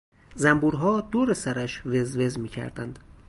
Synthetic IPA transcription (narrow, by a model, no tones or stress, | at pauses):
zæmbuːɾɦɒːd̪oːɾesæɾæʃvezvezmiːcʰæ̰ɾd̪æ̰nd̪̥